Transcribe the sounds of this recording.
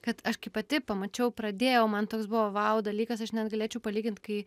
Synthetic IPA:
kɐt̪ɐʃkɐɪpɐt̪ʲɪpɐmɐt͡ʃʲɛʊpɾɐd̪ʲeːjɛʊmɐnt̪oːksbʊʋɐʋɑʊd̪ɐlʲiːkɐsɐʃnʲɛd̪ɡɐlʲeːt͡ʃʲɛʊpɐlʲiːɡʲɪnʲt̪kɐɪ

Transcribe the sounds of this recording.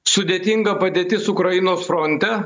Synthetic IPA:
sʊd̪ʲeːt̪ʲiŋɡɐpɐd̪ʲeːt̪ʲɪsʊkɾɐjɪnoːsfɾɔnʲt̪ʲɛ

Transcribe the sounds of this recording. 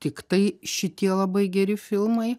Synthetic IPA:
t̪ʲɪkt̪ɐɪʃʲɪt̪ʲiɛlˠɐbɐɪɡʲɛɾʲɪfʲɪlˠmɐɪ

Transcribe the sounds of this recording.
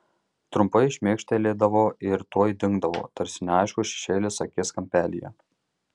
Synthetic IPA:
t̪ɾʊmpɐɪɪʃʲmʲeːkʃʲt̪ʲelʲeːd̪ɐʋoːɪɾt̪oːjd̪ʲɪŋɡd̪ɐʋo̰ːt̪ɐɾʲsʲɪnʲɑˑɪʃkuʃʲɛ̥ʃʲeːlʲɪsɐkʲɪskɐmʲpʲæːlʲɪ̰jɛ̰

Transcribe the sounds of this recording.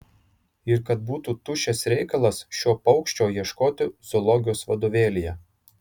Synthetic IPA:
ɪɾkɐt̪̚buːt̪uːt̪ʊʃʲɛsɾʲɛɪkɐlˠɐsʃʲoːpɒʊkʃʲt͡ʃʲoːjiɛʃkoːt̪ʲɪzɔlˠɔɡʲɪjoːsʋɐd̪oːʋʲeːlʲijɛ

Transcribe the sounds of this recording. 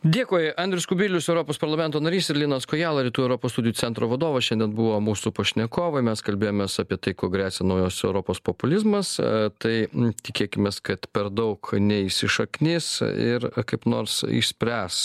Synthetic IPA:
d̪ʲeːkoːjɐnd̪ʲɾʲʊskʊbʲɪlʲʊsɛʊɾoːpoːspɐɾlˠɐmʲɛnt̪oːnɐɾʲiːsɪɾlʲɪːnɐskoːjæːlˠɐɾʲiːt̪uːɛʊɾoːpost̪udʲɪjut͡s̪ʲɛnt̪ɾoːʋɐd̪oːʋɐʃʲɛnʲd̪ʲɛnbuʋoːmuːsupoːʃʲnʲɛkoːʋɐmʲɛskɐlʲbʲeːjoːmʲeːsɑːpʲiɛt̪ɐɪkoːɡɾʲæːsʲɛnɐʊjoːsɛʊɾoːpoːspopʊlʲɪzmɐst̪ɐɪt̪ʲɪkʲeːkʲɪmʲeːskɐt̪pʲɛɾd̪ɐʊknʲɛiʃʲsʲɪʃɐknʲɪsɪ̰ɾkɐɪpno̰ːɾsɪ̰ʃsʲpʲɾʲæːs

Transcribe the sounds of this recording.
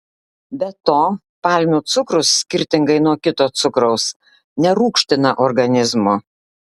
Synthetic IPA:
bʲɛt̪oː | pɑˑlʲmʲuːt̪sʊkɾʊsːʲkʲɪɾʲt̪ʲɪŋɡɐɪnuɔkʲɪt̪oːt̪sʊkɾɐʊs | nʲɛɾuːkʃʲt̪ʲɪnɐʔɔɾɡɐnʲɪzmo

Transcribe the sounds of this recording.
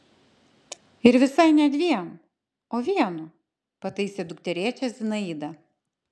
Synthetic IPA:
ɪɾʋʲɪsɐɪnʲɛt̪ʋʲiɛnu | oːʋʲiɛnu | pɐt̪ɐɪsʲeːd̪ʊkt̪ʲɛɾʲiɛt͡ʃʲɛszʲɪnɐiːd̪ɐ

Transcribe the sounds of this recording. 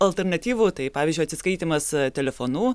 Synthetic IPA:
ɐlʲˠt̪ʲɛɾnɐt̪ʲiːʋuːt̪ɐɪpɑːʋʲːzʲd͡ʒʲʊɪɐt̪sʲɪskɐɪt̪ʲiːmɐst̪ʲɛlʲɛfoːnuː

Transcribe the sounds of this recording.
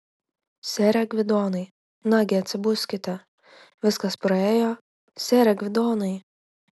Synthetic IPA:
sʲeːɾʲɛɡʲʋʲɪd̪oːnɐɪ | nɑːɡʲɪɐt̪ʲsʲɪbʊsʲkʲɪt̪ʲɛ | ʋʲɪskɐspɾɐeːjoː | sʲeːɾʲɛɡʲʋʲɪd̪oːnɐɪ

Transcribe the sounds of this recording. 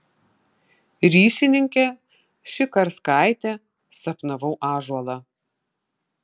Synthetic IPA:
ɾʲiːʃʲɪnʲɪŋʲkʲɛ | ʃʲɪkɐɾskɑˑɪt̪ʲɛ | sɐpnɐʋɐʊʔɑːʒuɔlˠɑ

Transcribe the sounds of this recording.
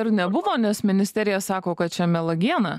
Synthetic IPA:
ɪɾnʲɛbʊʋoːnʲɛsmʲɪnʲɪsʲt̪ʲɛɾʲɪjɛsɑːkoːkɐt̪̚t͡ʃʲɛmʲɛlˠɐɡʲiɛnɑː

